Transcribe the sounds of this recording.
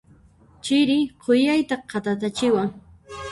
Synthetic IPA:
t͡ʃɪɾɪqʰojajt̪aqʰɑt̪at̪̬at͡ʃɪwaŋ

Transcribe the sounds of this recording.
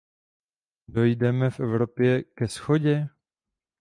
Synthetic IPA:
do̞jdɛmɛfʔɛvɾo̞pjɛkɛsxoɟɛ

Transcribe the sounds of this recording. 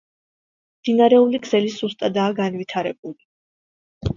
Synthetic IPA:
md̪̥inaɾɛulikʰz̥ɛlisust̪ʼad̪aːɡanvit̪ʰaɾɛbuli

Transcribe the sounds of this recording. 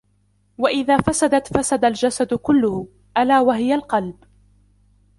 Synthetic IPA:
waʔɪðaːfasad̪at̪fasad̪ald͡ʒasad̪kʊlːʊhʊ | ʔalaːwaɦɪjalqɑlb

